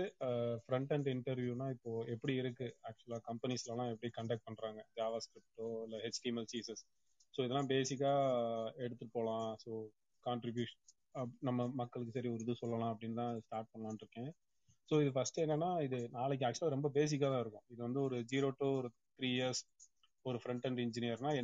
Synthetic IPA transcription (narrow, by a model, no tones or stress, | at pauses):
ɯfɾɐɳʈɐɳɖɪɳʈɐɾʋjuːnaːɪpːoːɛpːɐɽiɪɾɯkːɯaːk̚t͡ʃʊɐlaːkɐmpɐnislalãːɛp̬ːɐɽikɐɳɖɐkʈ̚pɐɳɾaːŋɡɐd͡ʒaːʋɐskɾɪp̚ʈːoːɪlːɐɦɛsʈiːmɛlsiːsɐs | soːɪðɛlːãːbeːsɪk̬ːaːɛɽɯt̪ːɯʈpːoːlãːsoː | kaːɳʈɾɪbjuːʂɐn | ɐnɐmːɐmɐkːɐɭɯk̬ːɯsɐɾiɔɾɯðɯsɔlːɐlãːɐp̬ːɐɽɪnːt̪ãːsʈaːɾʈ̚pɐɳɐɭãːnɪɾɯkːẽː | soːɪðɯfɐsʈɛːnːɛnːaːɪðɯnaːɭɛk̬ːɯaːk̚t͡ʃʊlaːɾɛmbɐbeːs̬ɪkːaːt̪ãːɪɾɯkːõːɪðɯʋɐnd̪ɯɔɾɯd͡ʒiːɾoːʈːuɔɾɯ | t̪ɾiːɪjɐɾs | ɔɾɯfɾɐɳʈɐɳɖɪɲd͡ʒɪnɪjɐɾnaːɛ